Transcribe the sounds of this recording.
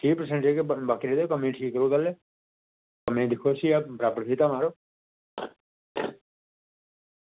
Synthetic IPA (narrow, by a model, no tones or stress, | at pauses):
ʈiːpəɾsə̃ɳʈekebaːkɾed̪ekəmẽːʈʰiːkəɾuːt̪əle | kəmẽːd̪ɪkʰosiapɾaːpəɾkʰiːt̪aːmaːɾoː